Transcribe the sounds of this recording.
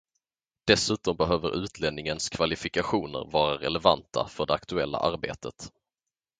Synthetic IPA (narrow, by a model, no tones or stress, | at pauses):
d̪̥ɛsʉ̟ːt̪ɔmbɛɦøːvəɾʔʉ̟ːt̪ʰlɛnɪŋənskʰvalɪfɪkaɧuːnə̰ɾvɑːɾaɾɛ̰lɛvant̪ʰa̰fœɖɛakt̪ɵɛlːa̰ʔaɾbḛːt̪ʰət̪